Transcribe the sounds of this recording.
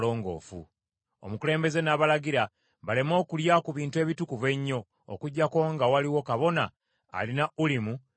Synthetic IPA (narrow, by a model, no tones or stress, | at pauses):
lo̞ːŋɡo̰ːfṵ | o̰mukule̞ːmbe̞ze̞naːβalaɡiɾa | βale̞mo̞ːkuljakuβiːntue̞ːβitukuve̞ɲːo̞̰ː | kuɟːako̞ŋɡawaliwo̞kaβo̞na̰ː | linaʔulimu